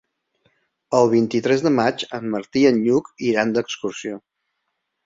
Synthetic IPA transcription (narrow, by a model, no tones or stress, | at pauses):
əlˠβ̞int̪it̪ɾɛzðəmat͡ʃəmːəɾt̪iənʎukiɾand̪əkskursio